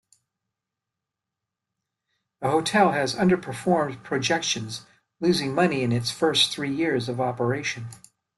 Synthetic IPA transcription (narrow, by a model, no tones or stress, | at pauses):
ðəɦoʊtʰɛlˠɨzʌ̃ndə˞pʰə˞fɔɹmpʰɹ̥ɨd͡ʒɛkʃɨ̃nz | lʉzɪ̃ŋmʌniɨ̃nɨtsfɜ˞sθɹijɪɹzʌvɑpə˞eɪʃɨ̃n